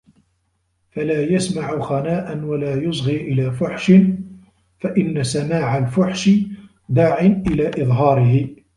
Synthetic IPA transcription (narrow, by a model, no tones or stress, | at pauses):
falaːjasmaʕʊxanaːʔanwalaːjʊsˤɣiːʔɪlaːfʊħʃɪn | faʔɪnːasamaːʕalfʊħʃɪ | d̪aːʕɪnʔɪlaːʔɪðˤɦɑːɾɪɦɪ